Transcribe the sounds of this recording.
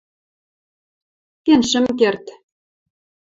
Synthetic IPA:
kenʃɘ̆mkert̪

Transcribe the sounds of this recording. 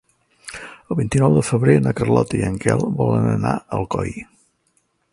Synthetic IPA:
əlˠβint̪inɔwðəfəβɾenəkərlɔt̪əiəŋkɛlˠβɔlənənaəlˠkɔj

